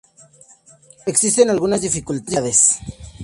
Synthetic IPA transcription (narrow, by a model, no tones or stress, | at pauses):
eksist̪enalɣunazd̪ifikult̪aaðes